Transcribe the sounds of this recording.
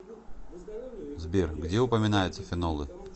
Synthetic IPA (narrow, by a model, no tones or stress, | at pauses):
zbʲerɡdʲeʊpəmʲɪnajʊt̪səfʲɪnolˠɨ